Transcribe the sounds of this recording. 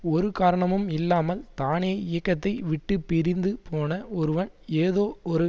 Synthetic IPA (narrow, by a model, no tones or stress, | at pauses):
ɔɾɯkaːɾɐɳɐmɯmɪlːaːmɐlt̪aːneːɪjɐkːɐt̪ːɐɪʋɪʈːɯpːɪɾɪnd̪ɯpoːnɐɔɾɯʋɐn | eːðoːɔɾɯ